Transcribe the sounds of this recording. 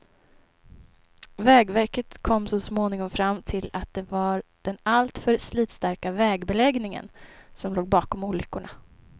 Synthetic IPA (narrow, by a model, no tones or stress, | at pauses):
vɛːɡvæɾkət̪kʰɔmːsɔsmoːnɪŋɔmfɾamːt̪ʰɪlat̪̚d̪ɛvaɾd̪̥ɛnalt̪fœɾsliːt̪st̪aɾkavɛːɡbɛlɛɡnɪŋə̰nsɔmloːɡ̚bɑːkɔmuːɭʏkːʊɳa